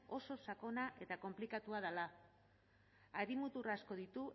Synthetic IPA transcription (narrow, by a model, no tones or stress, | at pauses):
o̞so̞sako̞naʔe̞t̪ako̞mplikat̪uaðala | aɾimut̪urasko̞ðit̪u